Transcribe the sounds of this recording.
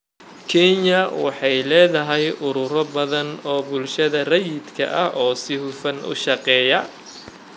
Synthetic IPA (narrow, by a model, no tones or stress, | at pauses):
kʰɛɲɐwɑħɑjlɛːðɐɦɛjʔʊɾʊɾɔbɐðɐnɔːbʊlʃɐðɐrɐjɪd̪kʰɐ̰ʔɐhʔɔːsɪɦʊfɐnʔʊ̰ʃɑqɛːjɐ